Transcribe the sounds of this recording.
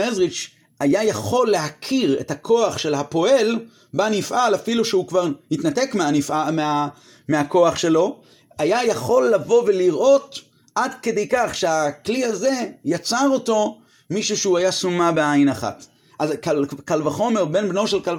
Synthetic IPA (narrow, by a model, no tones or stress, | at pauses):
ezʁit͡ʃ | ajajaχo̞lːe̞ɦakʰiʁḛthakʰo̞aχʃe̞lɦapo̞e̞l | banifʔalafiluʃeukvaʁhit̪natekmeanifamea | meɦako̞aχʃe̞lo̞ | ajajaχo̞lːavo̞ve̞liʁʔo̞t | ʔadkede̞jkaχʃeakliaze̞jat͡saʁo̞to̞ | miʃuʃeuajasumabeajnaχa̰t | ʔazkalkalvaχo̞meʁbe̞nbno̞ʃelkal